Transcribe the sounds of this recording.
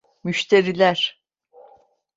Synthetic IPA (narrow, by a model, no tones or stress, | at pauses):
myʃt̪ʰeɾilʲæɾ̥